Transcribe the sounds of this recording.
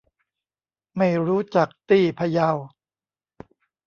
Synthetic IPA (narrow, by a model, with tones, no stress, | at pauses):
ma˥˩jɾuː˦˥t͡ɕa˨˩k̚t̪iː˥˩pʰa˧ja˧w